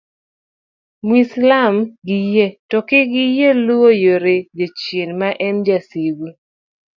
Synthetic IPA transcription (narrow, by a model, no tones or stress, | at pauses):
mwislamɡijetɔkɪɡɪjeluojoɾed͡ʒot͡ʃjenmaʔɛmd͡ʒasiɡu